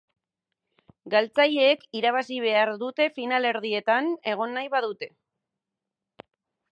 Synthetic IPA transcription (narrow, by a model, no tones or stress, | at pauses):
ɡalt͡saʎeːkiɾaβ̞asiβ̞e̞aɾðut̪e̞finale̞ɾð̞ie̞t̪ane̞ɣ̞o̞nːajβaðut̪e̞